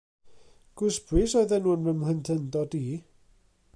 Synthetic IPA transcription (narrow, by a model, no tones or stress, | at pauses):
ɡ̥ʊsbrɨsojðɛnuːnvəmləntʰəndɔdi